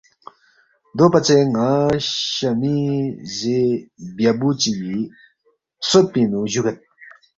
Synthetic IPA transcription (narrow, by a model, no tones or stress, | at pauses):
d̪opɐt͡seŋãɕɐmizebjabut͡ɕiji | soɾ̚pinuʑuɡɐn